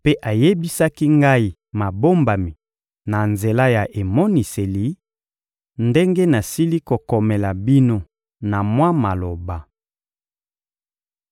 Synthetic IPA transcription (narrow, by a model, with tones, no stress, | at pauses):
pe˦ʔa˨je˦bi˦sa˦ki˦ŋɡa˦i˦ | ma˨bo˦mba˨mi˨ | na˨nze˨la˦ja˨ʔe˨mɔ˦ni˨se˨li˨˦ | nde˦ŋɡe˦na˨si˦li˦ko˨kɔ˨me˨la˨bi˦no˦ | na˨mwa˦ma˨lo˨ba˨